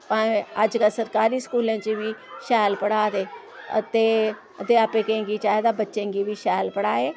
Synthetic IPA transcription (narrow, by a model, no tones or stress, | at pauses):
pãəd͡ʒkasəɾkaːɾiːskuːlẽːt͡ʃibiːʃɛːlpəɽaːt̪eː | ə̰t̪eː | t̪eːapẽkə̃ːɡiːt͡ʃaːɦed̪aːbətːʃẽːɡiːbʱiːʃɛːlpəɽaːeː